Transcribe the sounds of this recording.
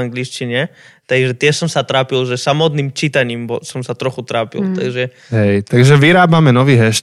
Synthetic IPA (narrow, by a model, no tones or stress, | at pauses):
aŋɡliʃt͡ʃiɲɛt̪aɡʒɛt̪ɪɛsɔmsat̪ɾaːpilʒɛsamɔt̪niːmt͡ʃit̪aɲiːmbɔsɔmsat̪ɾɔxut̪ɾaːpḭlt̪a̰ɡʒɛ | ɦɛjt̪aɡʒɛʋiɾaːbamɛnɔʋiːɦɛʃ